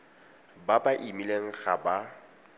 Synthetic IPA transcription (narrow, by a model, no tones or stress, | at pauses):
babaʔimileŋ̩ɣa̰ba